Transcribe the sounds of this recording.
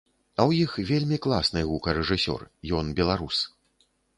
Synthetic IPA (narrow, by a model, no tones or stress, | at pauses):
ɐwjixvʲelʲmʲiklˠasnɨɣukɐɾɛʐɨsʲɔ̰rjɔnbʲɛlˠaɾus